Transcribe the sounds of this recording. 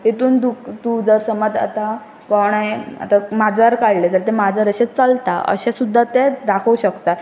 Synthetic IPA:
t̪et̪uːnd̪ukt̪ud͡zəɾsəmad̪a̰t̪a | kɔɽ̃aja̰t̪amad͡zʋaɾkaɽlet̪əɾt̪ɛmad͡zʱaɾəɕẽt͡səlt̪a̰ə̰ɕasud̪ʱːat̪ɛd̪akʰəuɕəkt̪a

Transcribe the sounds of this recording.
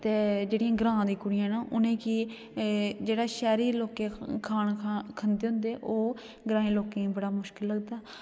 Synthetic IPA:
t̪eːd͡ʒeːɽɪjãːɡɾãːd̪iːkʊɽɪjãːnaːʔʊnẽːkiː | d͡ʒeːɽaːʃɛːɾiːloːkeːkʰaːɳkʰənd̪eːɦʊ̃nd̪eːʔoː | ɡɾãːẽːloːkẽːbəɽaːmʊʃkɪlːəɡd̪aː

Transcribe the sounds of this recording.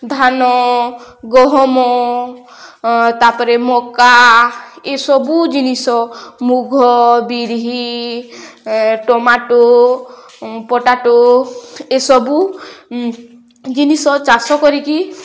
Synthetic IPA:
d̪ʱanɔ | ɡɔɦɔmɔ | t̪apɔɾemɔka | esɔbud͡ʒinisɔmuɡʱɔbiɾɦi | ʈɔmaʈo | pɔʈaʈo | esɔbu | d͡ʒinisɔt͡ʃasɔkɔɾiki

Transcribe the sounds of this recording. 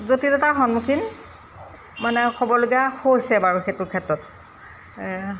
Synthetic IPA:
zotidɔtaɹxɔnmukʰin | manɛkʰɔbɔlʊɡahojsɛbaɹuxetʊkʰɛtɹɔt̚

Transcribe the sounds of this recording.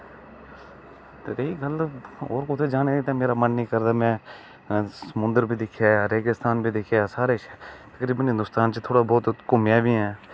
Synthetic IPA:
t̪eːɾeːiɡəloːɾkʊt̪ʰeːd͡ʒaːneit̪ãːmeːɾaːmənːĩːkəɾd̪aːmɛ̃ː | səmʊ̃nd̪əɾbʱiːd̪ɪkʰːjaːɾeːɡɪst̪aːnbʱiːd̪ɪkʰjaːsaːɾeːt͡ʃːt̪əkɾiːbənɦɪ̃nd̪ʊst̪aːnt͡ʃt̪ʰoːɽaːbɔːt̪komjaːbʱiːɛː

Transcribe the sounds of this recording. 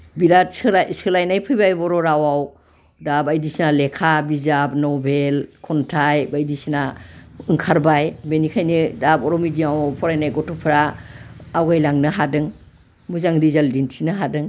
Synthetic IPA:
biɾasasɯlajnajpʰɯjbajbɔɾɔɾawaw | dabajdisinalekʰabizap̚nɔbelkʰɔntʰajbajdisinaɯŋkʰaɾbajbenikʰajnɯdabɔɾɔmidiawawpʰɔɾajnajɡɔtʰɔpʰɾaː | wɡajlaŋnɯɦadɯŋ | muzaŋɾizaldintʰinɯɦadɯŋ

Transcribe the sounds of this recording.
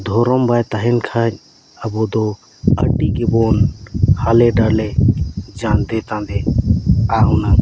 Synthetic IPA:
d̪ʱoːɾombaːt̪aɦinkʰaːɲ | ɐboːd̪o | əɖiːɡeboːnhaleɖaled͡ʒãːnd̪eːt̪ãːnd̪e | aːɦuna

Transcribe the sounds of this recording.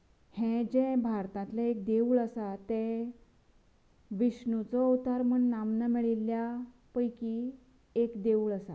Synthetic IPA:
hẽd͡ʑɛ̃bʱaɾt̪ãt̪laek̚d̪euːɭəsat̪ɛ̃ | ʋiɕnut͡sɔut̪aɾməɳːamnamiɭilːja | pəjki | ekd̪euːɭəsa̰

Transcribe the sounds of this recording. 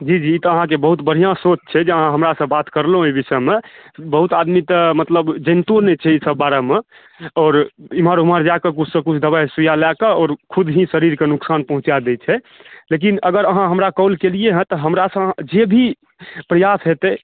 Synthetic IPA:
d͡ʒid͡ʒiːt̪ɔəɦãkebəɦut̪bəɽ̤ijãsot͡ʃt͡ʃʰɛd͡ʒeəɦãɦəmɾasə̃bat̪kəɾlɦũibisəmebəɦut̪ad̪mit̪əmət̪ləbd͡ʒənt̪uɾnet͡ʃʰɛisəbːaɾeme | ɔːɾiməɾɦuməɾd͡ʒakekut͡ʃʰsə̃kut͡ʃʰd̪əβasujalakəɔːɾkʰud̪ʱɦĩsəɾiɾkenuksanpəɦũt͡ʃad̪ɛt͡ʃʰɛ | lek̬inəɡəɾəɦãɦəmɾakɔlkelieɦə̃t̪ɔɦəmɾasə̃ɦãd͡ʒebʱi | pɾəjasɦet̪ɛ

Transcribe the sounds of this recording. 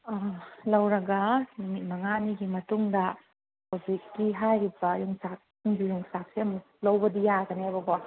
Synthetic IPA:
lɐwɾɐɡɐlumit̚mɐŋaniɡimɐtuŋdɐ | kobikːiɦajɾibɐjuŋsak̚ | uŋɡijuŋsak̚seɐm | lɐwbɐdijaɡɐneɐbɐɡɔ

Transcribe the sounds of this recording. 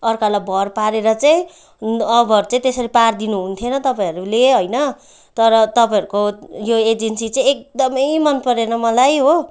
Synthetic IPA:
ʌrkalabʌrpaɾeɾʌt͡saĩ | ʌbʱʌʌɾut͡saĩt̪esʌɾipard̪inuɦunt̪ʰjonʌt̪ʌpaĩɦʌɾuleɦojnʌ | t̪ʌɾʌt̪ʌpaĩɦʌɾukojoed͡zensit͡saĩek̚d̪ʌmʌjmʌnpʌɾenʌmʌlajɦo

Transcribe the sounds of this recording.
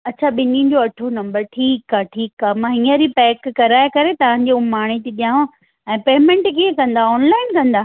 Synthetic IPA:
ɐt͡ɕʰaɓɪnĩd͡ʑoɐʈʰonɐ̃mbəɾʈʰiːkaːʈʰiːkaɦmãːɦĩːəɾipɛːkːɐɾaːekɐɾet̪ɐʋ̤ãːɲ̆d͡ʑeːumaːɽ̃et̪iɗijãːõ | ɛ̃ːpeːmɛ̃ɳʈkiẽkɐ̃nd̪aɔːnlaːɪnkɐ̃nd̪aː

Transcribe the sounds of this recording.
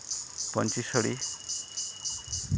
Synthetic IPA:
pɔnt͡ʃisɔɽi

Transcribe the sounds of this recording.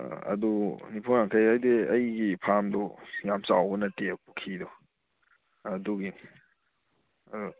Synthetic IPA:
ɐ̰dunipʰɔnaŋkʰajajdeɐjɡipʰamdɔjamsawbɔnɐtepukʰidɔ | ɐduɡi | ɐdu

